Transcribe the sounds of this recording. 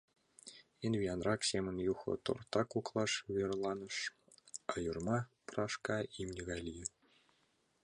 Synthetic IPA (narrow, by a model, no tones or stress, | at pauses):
envʲiɑnrɑksʲemʲɘ̆nʲjuxɤ̰̆t̪o̰rt̪ɑkuklˠɑʂvʲerlˠɑnɤ̆ʂ | ɑjurmɑprɑʂkɑimnʲɘ̆ɡɑlʲijɘ̆